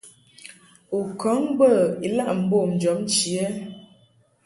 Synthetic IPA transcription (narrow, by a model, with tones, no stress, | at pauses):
u˨kɔ˨˦ŋbə˦˨i˨la˦ʔm̩˨˦bo˦˨m˨d͡ʒɔ˨˦mn˦t͡ʃi˨ɛ˦